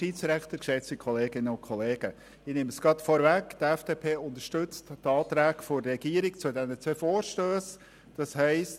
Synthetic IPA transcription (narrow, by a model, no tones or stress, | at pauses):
ʃtit͡sɾækt̪əɾkʃɛt͡sikʰɔleːɡɪnəʊnkʰɔleːɡ̥ə | ɪnɪməsɡɾɑtfɔɾvækd̥̪ɛfd̥eːpʰeːʊnt̪əʃtɵt͡sttɑːt̪ɾæːkfɔɾɛɡ̥iːəɾɪkt͡sʊdɛnət͡sʋøːfoːɾʃtøːs | d̥ɑshɛɪst